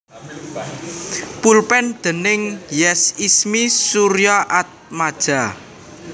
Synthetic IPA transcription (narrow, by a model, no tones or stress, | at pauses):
pulpɛnd̪̥ə̤nɪŋjɛsismisuɾjɔʔat̪̚mad̥ʒ̥a̤